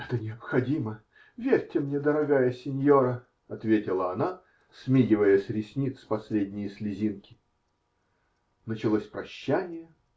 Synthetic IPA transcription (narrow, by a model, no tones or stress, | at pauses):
ɛt̪ənʲɪɐpxɐdʲimə | vʲerʲtʲɪmnʲed̪əɾɐɡajəsʲɪnʲjo̞ɾə | ɐt̪vʲetʲɪlˠəɐna | smʲiɡʲɪvəjəsʲɾʲɪsʲnʲit̪spɐsʲlʲedʲnʲɪjəsʲlʲɪzʲinkʲɪ̥ | nət͡ɕɪlˠosʲpɾɐɕːænʲɪjə